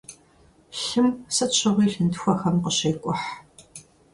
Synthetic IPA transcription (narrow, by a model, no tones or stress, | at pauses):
ɬɨmsɐt͡ʃʰɐʁiːɬɨntʰxʷɐxɐmqəɕɐːkʷʼʊħ